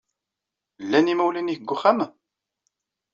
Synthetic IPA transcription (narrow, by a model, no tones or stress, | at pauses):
lːænimæwlinihəɡːuχæm